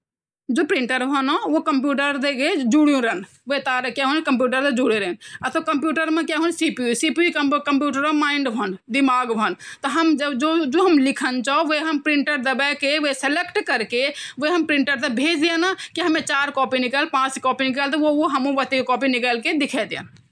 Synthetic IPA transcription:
d͡ʒoːpɾɪ̃ɳʈəɾbʱənõʋokəmp̬juːʈəɾd̪eked͡ʒuɽjũɾən | ʋet̪aːɾkɛɦunkəmp̬juːʈəɾt̪ed͡ʒuɽeɾenɐt̪okəmpjuːʈəɾmẽkɛɦunsipiũsipikəkəmpjuːʈəɾõmaːɪɳɖbʱənd̪ɪmaːɡbʱənt̪ɔɦəmd͡ʒəbd͡ʒod͡ʒoɦəmlɪkʰənt͡ʃaoʋeɦəmpɾɪ̃ɳʈəɾd̪ɐbɛkeʋeselekʈkəɾkeʋeɦəmpɾɪ̃ɳʈəɾt̪ebʱeːd͡ʒd̪ijanakiɦɐmẽt͡ʃaːɾkɔːpinɪkəlpãːt͡ʃkɔːpinɪkəlt̪eʋooɦəmũʋət̪ikɔːpinɪkəlked̪ɪkʰɛd̪ija̰n

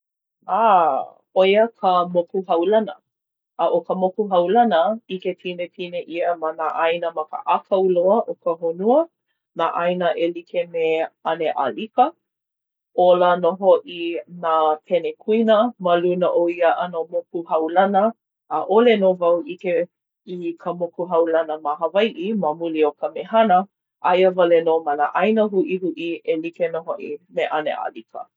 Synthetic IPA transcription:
a | ojəkʰəmopuɦɐwlɐnə̰ | ʔːʔokəmokuɦɐwlɐnəiketʰinetʰineʔiəmanaʔɐjnəmɐkə̰ʔakʰɐwloəʔokəɦonuə | naʔajnəʔelikemeɐneʔa̰likə | ʔolənoɦoʔinapʰɛnekʰuinəmɐlunəʔoiəʔɐnəmokuhɐwlɐnəː | ʔolenovɐwʔike | ikʰəmokuɦɐwlɐnəmaɦɐvajʔimɐmuliokəmehɐnə | ʔajəvɐlenomanaʔajnəɦuʔihuʔielikenoɦoʔḭmeʔanḛʔa̰likə̰

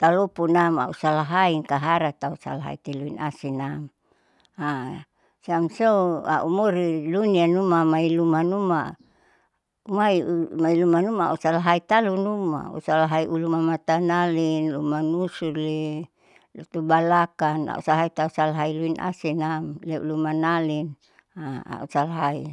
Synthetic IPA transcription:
t̪alopunama̰usalaɦaiŋkaɦaɾat̪ausa̰laɦa̰it̪iluina̰sinam | a | samsoua̰ʔumoɾilunianumamailumanuma̰ | umaiumailumanumaa̰usalaɦait̪alunuma̰ṵsalaɦaiʔulumamat̪analinlumanusuli | lut̪ubalakana̰ʔṵsalɦait̪ausalaɦailuinʔa̰sinamlɛṵlumanalin | aa̰usalaɦai

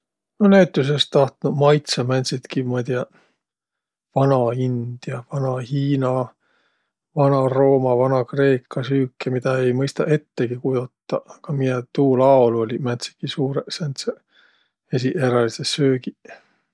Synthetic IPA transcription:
noneːt̪ːˑus̬est̪ːɑht̪nudmɑjt̪sɑmænʲt̪sit̪kimɑd̪ʲiɑ | vɑnɑind̪̥jɑvɑnɑhiːnɑ | vɑnɑro̞ːmɑvɑnɑkre̞ːkːˑɑsyːkːˑemid̪̥ɑe̞jmɤjst̪ɑʔe̞t̪ːeɡikujot̪ˑːɑ̰kɑmijet̪uːlɑoluolʲimænʲt̪si̥t̪kisuːɾesænt̪se | esiʔeɾɑlisesøːɡi

